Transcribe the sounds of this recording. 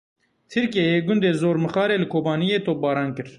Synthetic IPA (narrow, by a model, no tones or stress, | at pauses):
t̪ʰɨɾkiejeːɡʊnd̪eːzoːɾmɨxɑːɾeːlɨkʰoːbɑːnijeːt̪ʰoːbɑːɾɑːnkɨɾ